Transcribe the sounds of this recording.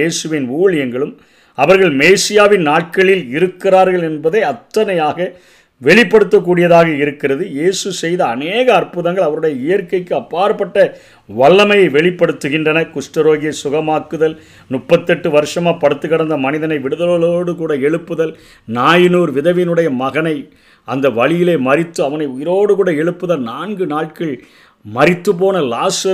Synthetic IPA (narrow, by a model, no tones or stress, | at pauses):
eːsɯʋɪnuːɭɛŋɡɐɭɯm | ɐʋɐɾɣɐɭmeːsɪjaːʋɪnnaːʈ̚kɐɭɪlɪɾɯkːɪraːɾɣɐɭɛnbɐðɐɪɐt̪ːɐnɐjaːɣɐ | ʋɛɭɪpːɐɽɯt̪ːɐk̬ːuːɽɪjɐðaːɣɐɪɾɯkːɪrɐðɯjeːsɯsɛjðɐːneːɣɐːrpɯðɐŋɡɐɭɐʋɐɾɯɽɐjɐɪjɐɾkɐɪkːɯɐpːaːɾɐpːɐʈːɐ | ʋɐɭːɐmɐjɐɪʋɛɭɪpːɐɽɯt̪ːɯɣɪndrɐnɐkʊʂʈɐɾoːɣɪjɐɪsʊɣɐmaːkːɯðɐl | nʊpːɐt̪ːɛʈːɯʋɐɾɯʂɐmaːpɐɽɯt̪ːɯɣɐɽɐnd̪ɐmɐnɪðɐnɐɪʋɪɽɯðɐloloːɽɯkuːɽɐɛɭɯpːɯðɐl | naːjɪnuːɾʋɪðɐʋɪnɯɽɐjɐmɐɣɐnɐɪ | ɐnd̪ɐʋɐɭɪjɪleːmɐɾɪt̪ːɯɐʋɐnɐɪʊjɪɾoːɽɯkuːɽɐɛɭɯpːɯðɐlnaːnɡɯnaːʈ̚kɪɭ | mɐɾɪt̪ːɯp̬oːnɐlaːsɐ